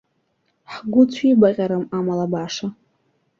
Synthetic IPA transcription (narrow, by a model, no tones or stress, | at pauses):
ħɡʷʊt͡ɕʷʰibaqʲʼaɾɨmamalabaʂa